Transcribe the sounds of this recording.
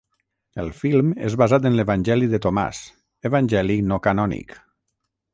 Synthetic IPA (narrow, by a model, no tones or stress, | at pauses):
əlˠfilˠmḛzβazat̪̬ənleβanʲʒɛliðət̪oma̰s | eβanʲʒɛliknɔkanɔnḭk